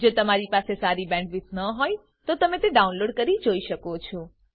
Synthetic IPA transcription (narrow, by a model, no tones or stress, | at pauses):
d͡ʒot̪əmaɾipasesaɾibɛ̃ɳʈʋɪsnəɦoj | t̪ot̪əmet̪eɖaunloɖkəɾid͡ʒoiʃəkot͡ʃʰo